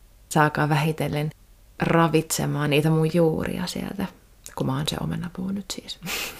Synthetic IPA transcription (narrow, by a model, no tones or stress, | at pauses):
sɑːkɑːʋæhit̪elːen | rɑʋit̪sḛmɑːniːt̪æmujjuːrḭɑ̰sḭḛlt̪æ | kumæoˑnsḛo̰menɑpuhunyt̪siːs